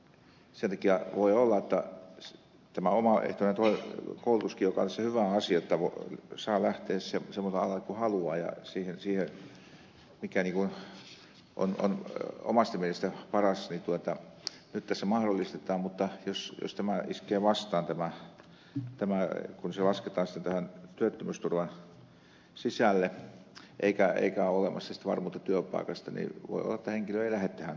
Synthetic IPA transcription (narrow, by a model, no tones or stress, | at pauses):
sent̪ɑkiæʋoiolːɑet̪ːɑ | t̪æmæomɑḛht̪onent̪oikoulut̪uskijokɑolisehyʋæɑsiɑot̪ːɑʋosɑːlæht̪eːssemsemːost̪eɑlɑkuhɑluɑːjɑ̰siːhensiːhe | mikæniːŋkun | ʔo̰no̰no̰mɑst̪ɑmiehest̪æpɑrɑsnit̪uot̪ɑ | nyt̪t̪æsːæmɑhɾolːist̪et̪ˑɑːmmut̪ːɑjosjo̰st̪æmæiskˑeːʋɑst̪ɑːnt̪æmæ | t̪æmækunselɑsket̪ˑɑːnsi̥t̪ːent̪æhænt̪yøt̪ːømyst̪urʋɑn | sisælːe | ʔḛˑikæḛikæolemɑ̰sːɑsi̥t̪æʋɑ̰rmuːt̪ːɑt̪yøpˑɑ̰ˑikɑst̪ɑnḭʋo̰ˑio̰lːɑtt̪ːæheŋkiløeilæhet̪t̪ːæhæn